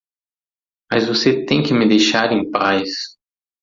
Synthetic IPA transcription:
mɐzvoset̪ẽj̃kɪmɪd̪ejʃaɾẽpajs

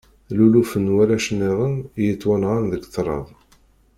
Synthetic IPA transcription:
lulufənwælæʃənːiʁˤənjət͡sːwænʁɑnðəɡθɾˤɑ̰ðˤ

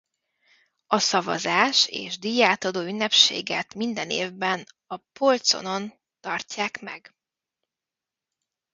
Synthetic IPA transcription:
ɒsɒvɒ̰zaːʃḛːʒd̪iːjaːt̪ɒd̪oːynːɛpʃḛːɡɛt̪mind̪ɛneːvbɛn | ɒpolt̪so̞̰no̞n | t̪ɒrcaːkmɛ̰ɡ

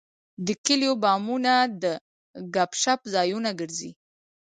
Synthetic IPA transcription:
d̪əkɪljobɑmunad̪ə | ɡapʃapzɑjunaɡəɾzḭ

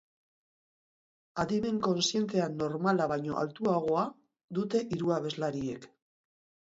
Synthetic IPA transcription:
aðime̞ŋko̞nsje̞nt̪e̞ano̞ɾmalaβajɲo̞ʔa̰lt̪uaɣ̞o̞a | ðut̪e̞ʔiɾuaβe̞zlaɾie̞k

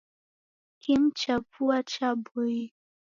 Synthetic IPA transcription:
kim̩t͡ʃapuat͡ʃabui

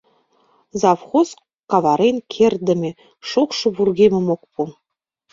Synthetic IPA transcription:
zɑfχos | kɑvɑɾenkʲʰerd̪ɘ̆mʲĕ | ʃuχʃɤ̆βurɣemʲɘ̆mok̚pu

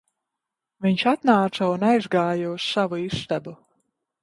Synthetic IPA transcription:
viɲʃat̪naːt̪saunajzɡaːjausːavuist̪abu

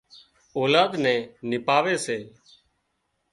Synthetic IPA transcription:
oːlaːd̪nɛ̃ːnɪpaːʋeːseː

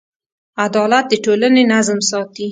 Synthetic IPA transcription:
ad̪ɑlat̪̚d̪əʈolənenazmsɑt̪i

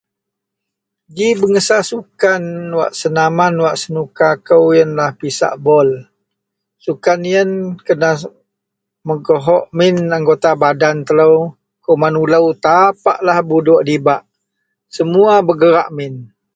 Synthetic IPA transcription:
ɡibəŋəsasukanwa̰ʔsənamanwaʔsənukakəwjənlahpisa̰ʔbɔl | sukanijənkəna | məɡoɦɔʔmɪnaŋɡot̪abadant̪ələw | kəwmanuləwt̪apa̰ʔlahbudɔʔdibaʔ | səmuabəɡəɾaʔmɪn

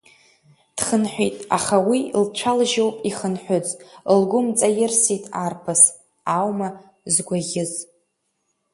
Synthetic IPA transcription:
d̥χənħʷᶣitʼa̰χawilt͡ʃʷʰalʒowpʼiχənħʷᶣʊt͡sʼlɡʷʊmt͡sʼajɪrsitʼarpʰas | awma | zɡʷaɣʲɪz

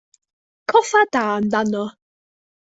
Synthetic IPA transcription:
kʰɔfad̥aːndanɔ

